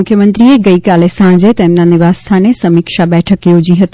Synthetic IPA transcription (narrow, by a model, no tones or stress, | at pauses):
ʊkʰjəmə̃nt̪ɾieɡəikalesãd͡ʒet̪emnaniʋast̪ʰanesəmikʃabɛʈʰəkjod͡ʑiɦət̪i